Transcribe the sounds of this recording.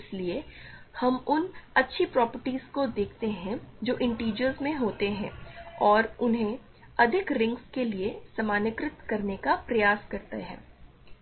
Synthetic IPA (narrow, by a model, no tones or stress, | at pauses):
ɪsliehɐmʊnɐtːʃʰipɾɔːpəɾʈiːzkod̪eːkʰt̪eɦɛ̃d͡ʒoːʔɪ̃ɳʈiːd͡ʒəɾzmẽɦoːt̪eɦɛ̰̃ːɔːɾʊnɦẽ | ɐd̪ʱɪkɾɪ̃ŋɡskeliesɐmaːnɪkɾɪt̪kɐɾnekapɾɐjaːskɐɾt̪ḛɦɛ̰̃ː